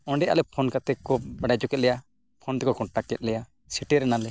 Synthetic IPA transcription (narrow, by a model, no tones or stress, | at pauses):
ɔ̃ɳɖɛʔa̰lɛpʰɔnkat̪ɛkɔbaɖajd͡ʒɔkɛt̪̚lɛja | pʰɔnt̪ɛkɔkɔʈakɛt̪̚ˀlɛja | siʈɛɾɛnalɛ